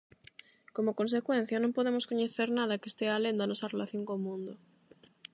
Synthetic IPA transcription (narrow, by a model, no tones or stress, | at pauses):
komokonsekwẽn̟θjanõmpoðemoskoɲeθeɾnað̞ɐkest̪ealend̪anɔsɐrelaθjoŋkomũnd̪o